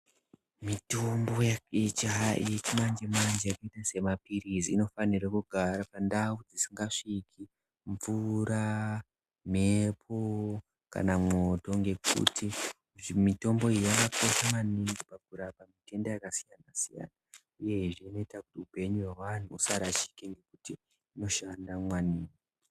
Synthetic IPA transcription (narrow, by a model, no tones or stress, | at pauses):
mitomboet͡ʃajet͡ʃimand͡ʒemand͡ʒejakaitase̞mapiriziːno̞fanirakuɡʱaɾapandaud͡zisiŋɡaʂikʰi | ɱvuɾa | mepʰo | ka̰namo̞to̞ŋɡe̞kṵtʰi | mito̞mbo̞ijakako̞ʃamaniŋɡipakuɾapamite̞ndajakasijanasija̰na | uje̞ʐino̞itakutiupe̞ɲuwawan̤uːsaɾat͡ʃi̥keŋɡe̞kutiː | no̞ʃandamwaniːno